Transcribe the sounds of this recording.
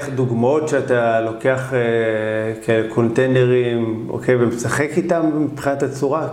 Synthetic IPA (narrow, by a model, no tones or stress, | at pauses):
χduɡmaotʃeatalo̞ke̞aχe | kaelekʰo̞ntejneʁimo̰kʰejvemesaχekitamːipχinatat͡suʁa